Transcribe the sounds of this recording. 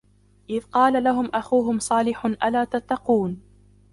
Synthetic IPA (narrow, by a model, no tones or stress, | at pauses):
ʔɪðqɑːlalaɦʊmʔaxuːɦʊmsˤɑːlɪħʊnʔalaːt̪at̪ːɑquːn